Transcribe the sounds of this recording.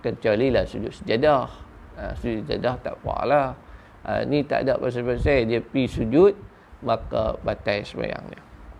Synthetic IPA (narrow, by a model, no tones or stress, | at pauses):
kət͡ʃalilahsud͡ʒʊt̪̚səd͡ʒadah | a̰sud͡ʒadaht̪a̰ʔpua̰ʔla | a̰nit̪a̰ʔda̰ʔbas̬ajbasajdiəpisud͡ʒut̪̚ | maka̰bat̪ajsəba̰ja̰ŋɲa̰